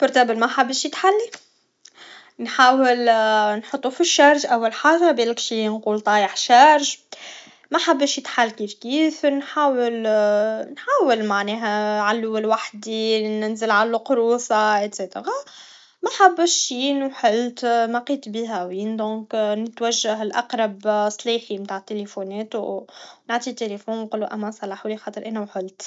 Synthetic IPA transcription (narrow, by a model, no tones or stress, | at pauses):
bʊɾt̪æbəlmæħabːəʃjət̪ħalːi | nħaːwəlnħʊt̪ˤːufiʃːɑɾˤʒʔawːalħaːʒabelɪkʃinquːlt̪ˤɑːjəħʃɑɾʒ | mæħabːəʃjət̪ħalːkiːfkiːfnħaːwəl | nħaːwəlmaʕnɛːɦæʕalːuːɪlwaħd̪inɪnzəlʕalːuqɾuːsɑʔɪt̪set̪əɾɑ | mæħabːəʃːinuħəlt̪mæqiːt̪biːɦæwiːnd̪ɔ̃ːknət̪wæʒːaɦɪlʔɑqɾˤɑbsˤliːximt̪aːʕət̪ːelefunɛːt̪wnaʕt̪ˤit̪ːelefuːnqulːuʔæmːæsˤɑlɑːħulixɑːt̪ˤəɾʔænæwħʊlt̪